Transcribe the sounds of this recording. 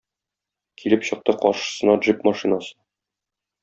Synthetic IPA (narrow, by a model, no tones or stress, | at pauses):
kʰilɘpɕɤ̆q̚t̪ɤqɒɾʃɤ̥̆sɤ̆nɑdʐipmɑʃinasɤ